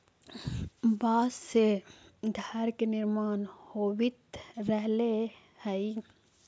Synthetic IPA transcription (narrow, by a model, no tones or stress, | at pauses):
baːssed̪ʱaɾkenɪɾmaːnhoːʋɪt̪ɾəɦle | hɛi